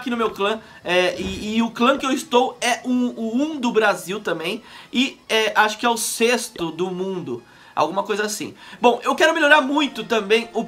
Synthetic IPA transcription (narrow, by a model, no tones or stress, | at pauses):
kinʊmewklɐ̃ | ɛɪːʊklɐ̃kɪewɪst̪owɛʔũʊũd̪ʊbɾaziwt̪ɐ̃mbẽj̃ɪɛaʃʊ̥kɪɛʊsest̪ʊd̪ʊmũd̪ʊ | a̰wɡũmɐkojzɐasḭ̃bõw̃ʔewkɛɾʊmelʎoɾaɾmũj̃t̪ʊt̪ɐ̃mbẽj̃ʊ